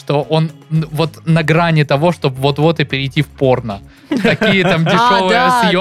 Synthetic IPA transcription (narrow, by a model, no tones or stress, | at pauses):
ʂt̪o̞ʔo̞nvo̞t̪nɐɡɾanʲɪt̪ɐvo̞ʂt̪o̞bvo̞t̪vo̞t̪ɨpʲɪɾʲɪjtʲifpo̞rnə | t̪ɐkʲijət̪amdʲɪʂo̞vɨjəsjo